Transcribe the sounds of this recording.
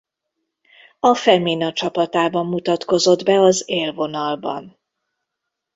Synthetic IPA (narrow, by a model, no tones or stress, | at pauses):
ɒfɛminɒt͡ʃɒpɒt̪aːbɒmːut̪ɒt̪ko̞zo̞d̪bɛɒzeːlvo̞nɒlbɒ̰n